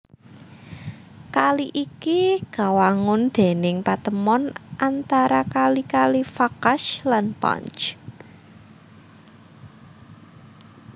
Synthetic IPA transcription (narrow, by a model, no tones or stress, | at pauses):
kaliʔikiɡ̥a̤waŋʊnd̪̥e̤nɪŋpat̪əmɔnʔant̪aɾakalikalifakaʃlanpa̰nt͡ʃ